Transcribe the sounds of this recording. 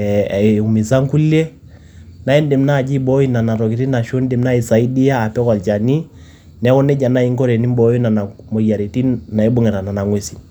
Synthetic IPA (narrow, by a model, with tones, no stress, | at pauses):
u˨mi˨za˦ŋ˦ku˦lɛ˦ | na˨˦ɛ˦ndɛ˨m̩˦na˦˨d͡ʒi˦bɔ˦i˦na˨na˨ɾɔ˨ki˨ɾi˦na˨ʃɔ˦ndɛ˨mna˦i˨sa˨i˦di˦jaː˦˨pɛ˦ka˨lt͡ʃa˨ni˦ | nɛ˨˦kɔ˦nɛ˦d͡ʒa˨na˦i˦ŋkɔ˦ɾɛ˨ni˦m˦bɔ˦ji˦na˨na˨mɔ˨ja˨ɾe˨ti˦na˨ɛ˦bɔ˦ŋɛ˨ɾa˨na˨na˨ŋwɛ˨si˨